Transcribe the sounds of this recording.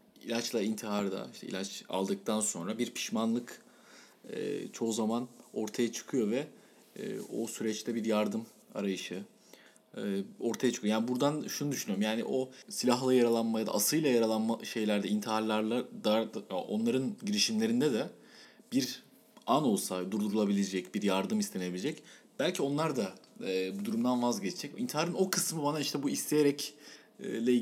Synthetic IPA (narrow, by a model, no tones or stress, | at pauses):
ḭlʲat͡ʃlˠaint̪ʰiɦaɾd̪a̰iʃt̪ɛ̰ḭlʲat͡ʃa̰lˠd̪ɯk̚t̪ʰanso̞nɾabiɾpʰi̥ʃmanlˠɯk | ɯ̰t͡ʃʰo̞uzamano̞ɾt̪ʰajat͡ʃʰɯ̥kʰɯjovɛ̰ː | o̰syɾɛt͡ʃlʲɛbiɾjaɾd̪ɯm | a̰ɾajɯʃɯ | o̞ɾt̪ʰajat͡ʃɯ̥kʰɯjojaːnibuɾd̪anʃunɯd̪yʃynyjɾumjaːnḭʔo̞silʲaɦlˠɯjaɾalˠanmajad̪a̰ʔːsɯjlˠajaɾalˠanmaʃe̞jlʲæɾd̪ɛint̪ʰiɦaɾlʲˠaɾlˠad̪ad̪ʔo̞̰nlˠaɾɯnɟiɾiʃimlʲe̞ɾind̪ɛd̪ɛ | b̥iɾ | ano̞lˠsad̪uɾd̪uɾulˠabilʲed͡ʒɛcbiɾjaɾd̪ɯmist̪ʰe̞nebilʲed͡ʒɛc | b̥ælʲcʰio̞nlˠaɾd̪aɛbud̪uɾumd̪anvazɟet͡ʃʰid͡ʒɛcḭnt̪ʰiɦaɾɯno̞kʰɯsmɯbanaiʃt̪ʰɛbuist̪ʰejeɾɛcː | lʲɛ